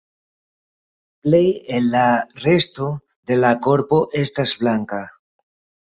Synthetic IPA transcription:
ple̞jelːare̞sto̞ | d̪e̞lako̞ɾpo̞ʔe̞stazblaŋka

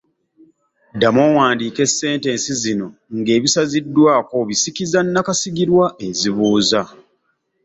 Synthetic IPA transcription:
damoːwaːndiːke̞sːe̞ːnte̞ːnsizino̞ŋɡe̞ːβisazidːwaːko̞βisikizanːakasiɡiɾwae̞ziβuːza

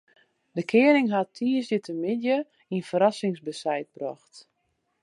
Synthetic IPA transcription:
dəkʰɪənɪŋɦatʰiːəsjətəmɪdjə | infəɾasɪŋsbəsɛjt̚b̥rɔxt

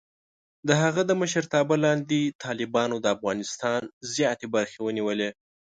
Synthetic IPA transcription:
d̪əɦaɣəd̪əməʃəɾt̪ɑbəlɑnd̪et̪ʰɑlɪbɑnod̪əafɣɑnɪst̪ɑnnzjɑt̪ebaɾxewəniwəle

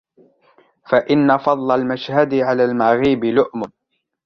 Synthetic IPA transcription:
faʔɪnːafɑd̪ˤlɑlmaʃhad̪ɪʕalaːlmaɣiːbɪlʊʔmʊ

